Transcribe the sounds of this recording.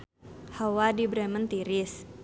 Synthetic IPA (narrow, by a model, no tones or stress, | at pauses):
hawadibɾɛmənt̪iɾɪs